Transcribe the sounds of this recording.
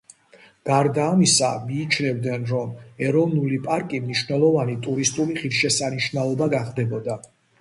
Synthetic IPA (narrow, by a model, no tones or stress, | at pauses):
ɡ̥aɾd̪aːmisa̰miːt͡ʃʰnɛvd̪nɛnɾɔmɛɾɔvnulipʼaɾkʼimniʃvnɛlˠɔvanit̪ʼuɾist̪ʼuliχiɾʃɛsaniʃvnalˠɔbaɡaχd̪ɛbɔd̪a